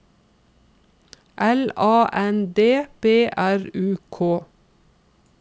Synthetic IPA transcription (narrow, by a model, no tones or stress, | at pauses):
ʔɛlɑːʔɛnd̪eːb̥eːʔæɹʉːkʰoː